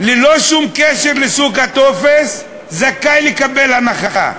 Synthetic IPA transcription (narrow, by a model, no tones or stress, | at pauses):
leloʃumkeʃeʁlesuɡhat̪ofes | zakajlekabelhanaχaχa̰